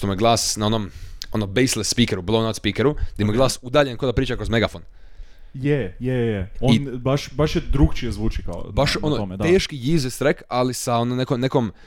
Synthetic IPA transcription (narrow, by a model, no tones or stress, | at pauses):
t̪omujeɡlˠaːsnao̞no̞mo̞nobejslet̪spiːkeɾublˠownat̪spikeɾuaemujeɡlˠaːsud̪aːʎe̞nkod̪apɾiːt͡ʃakɾozme̞ɡafon | jejejeoibaʃbaʃjed̪ɾuɡt͡ʃiezʋuːt͡ʃikao̰baʃonoomeeːʃkijiːzest̪ɾekalisaononekonekom